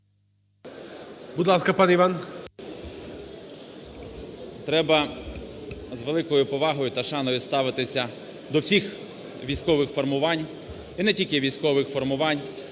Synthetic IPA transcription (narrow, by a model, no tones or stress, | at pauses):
bʊd̪lˠɑskɐpɑnɛiʋɑn | t̪ɾɛbɐ | zʋelˠɪkɔjʊpɔʋɑɦɔjʊt̪ɐʃɑnɔjʊst̪ɑʋɪt̪ɪsʲɐ | d̪ɔwsʲix | ʋʲijsʲkɔʋɪxfɔrmʊʋɑnʲ | inɛtʲilʲkɪʋʲijsʲkɔʋɪxfɔrmʊʋɑnʲ